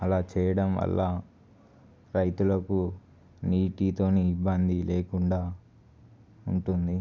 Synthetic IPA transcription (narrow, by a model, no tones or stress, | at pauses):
ɐlaːt͡ʃɛːjɐɽɐmʋɐ̰lːɐ | ɾɐjt̪ulɐku | niːʈit̪o̞ːniibːɐnd̪ileːkuɳɖaː | uɳʈund̪i